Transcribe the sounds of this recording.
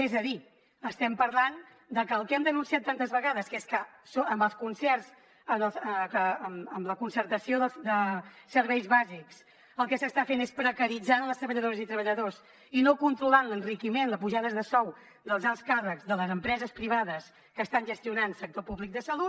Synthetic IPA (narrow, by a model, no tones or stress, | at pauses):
ɛzəði | əst̪ɛmpəɾlan | d̪əkəːlˠkɛmd̪ənunsiat̪ːant̪əzβəɣaðəskeskəsoəmbəlˠskunsɛrz | ənəsəkəəməmləkunsəɾt̪əsioðəd̪əsəɾβɛjzβaziks | əlˠkɛsəst̪afenespɾəkəɾid͡zanlˠəst̪ɾəβəʎəðoɾəzit̪ɾəβ̞əʎəðoz | inokunt̪ɾulanlənrikimenləspuʒaðəzðəsɔw | d̪əlˠzalˠskarəkzðələzəmpɾɛzəspɾiβ̞aðəs | kəːst̪anʒəst̪iunansək̚t̪opuβlik̚d̪əsəlut̪